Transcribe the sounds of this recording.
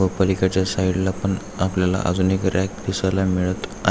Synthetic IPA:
əpəlikat͡ɕjasaiɽlapəɳ | apljala̰ʔa̰d͡zunikɾak̚d̪isalamiɭət̪a̰

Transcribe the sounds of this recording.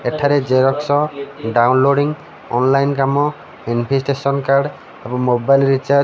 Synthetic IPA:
ɛʈʰaɾɛd͡ʒeɾɔksɔɖawnloɖiŋ | ɔnlajnkamɔ | inpʰisʈesɔnkaɾɖ | abɔmobajlɹit͡ʃa

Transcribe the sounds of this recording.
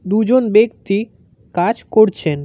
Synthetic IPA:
d̪ud͡ʑonbekt̪i | kad͡ʑkoɾt͡ɕʰen

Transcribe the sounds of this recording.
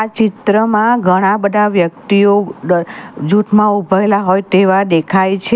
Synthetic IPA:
at͡ʃɪt̪ɾəmãɡʱəɽ̃abəd̪ʱaʋjək̚t̪io | d͡ʒut̪ʰmãubʱəelaɦojt̪eʋad̪ekʰajt͡ʃʰe

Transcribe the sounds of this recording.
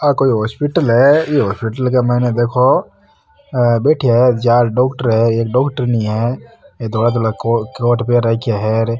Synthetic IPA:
akoːiɦɔːspɪʈəlɦɛjeɦɔːspɪʈəlkamɛːned̪eːkʰo | beːʈʰiɦɛd͡ʒaːɾɖɔːkʈəɾɦɛeːkɖɔːkʈəɾnɐĩɦɛed̪oːɽat̪oɽakoːɾʈpeɾɛkaɦɛɾ

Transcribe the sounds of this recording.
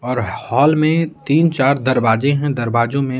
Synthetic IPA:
ɔːɾhɔːlmẽt̪iːnt͡ʃaːɾd̪ɐɾbaːd͡ʒẽɦɛ̃d̪ɐɾbaːd͡ʒõmẽ

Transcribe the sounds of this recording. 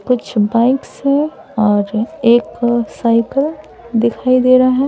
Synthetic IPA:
kʊt͡ʃʰbaɪksɦɛ̃ | ɔːɾeːksaːɪkəl | d̪ɪkʰaːid̪eːɾaɦɛ̃

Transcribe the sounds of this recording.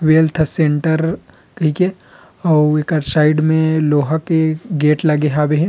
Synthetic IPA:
ʋeːlt̪ʰsẽɳʈəɾ | kɐɦiːke | ɔːeːkɐɾsaːɪɖmẽloːɦakeɡeːʈlɐɡeɦaːbeɦɛ̃

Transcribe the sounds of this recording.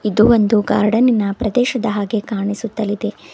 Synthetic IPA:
id̪uʋond̪uɡa̰ːɾɖɐninːɐpɾɐd̪ɛːʃɐd̪ɐɦaːɡe̞kaːɳisut̪ːɐlid̪e̞

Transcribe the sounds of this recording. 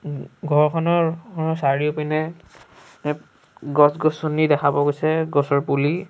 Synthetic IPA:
ɡʱɔɹkʰɔnɔɹsaɹiopinɛ | ɡɔsɡɔsunidɛkʰabɔɡojsɛɡɔsɔɹpuli

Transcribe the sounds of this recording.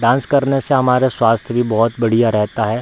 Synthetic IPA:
ɖãːnskɐɾneseɦɐmaːɾeswaːst̪ʰjbʱibɔːɔt̪bɐɽ̤ijaɾɛɦt̪aɦɛː

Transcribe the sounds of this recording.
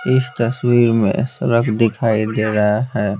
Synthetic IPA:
ɪst̪əswiɾmḛ̃səɾəɡd̪ɪkʰaid̪eɾəɦaɦɛː

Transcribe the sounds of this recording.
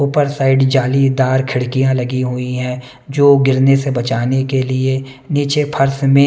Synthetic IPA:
ʊpəɾsaɪɖd͡ʒaːlid̪aːɾkʰɪɽkijãlɐɡiɦʊiɦɛ̃ː | d͡ʒoːɡɪɾnesebɐt͡ʃaːnekelie | niːt͡ʃepʰɐɾsmẽ

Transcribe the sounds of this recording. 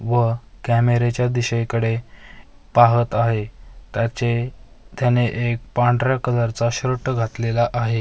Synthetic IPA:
ʋə | kæmeɾet͡ɕjad̪iɕəjkəɽe | paɦət̪aɦet̪jat͡ɕe | t̪janeʔek̚paɳɖɾakəd͡zaɾt͡saɕɾəʈːəɡʱat̪lelaʔaɦe

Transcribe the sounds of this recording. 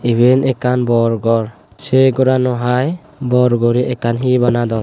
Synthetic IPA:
ibɛnɛkanbɔɾɡɔɾ | sɛɡɔɾanɔɦaj | bɔɾɡɔɾiʔɛkanɦibanad̪ɔ

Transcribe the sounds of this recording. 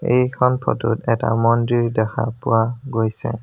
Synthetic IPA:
ejkʰɔnpʰɔtutɛta̰mɔndiɹdɛxʰa̰puaɡojsɛ

